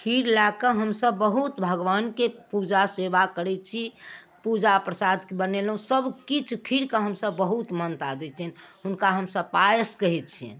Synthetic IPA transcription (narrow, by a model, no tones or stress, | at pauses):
kʰiɾlakəɦəmsəbːəɦut̪bʱəɡʋankepud͡ʒaseʋakəɾɛt͡ʃʰi | pud͡ʒapɾəsad̪kebənelɦũsəbkit͡ʃʰkʰiɾkəɦəmsəbːəɦut̪mənt̪ad̪ɛt͡ʃʰɛnɦʊnkaɦəmsəb̚pajəskəɦɛt̪̚t͡ʃʰiɛ̰̃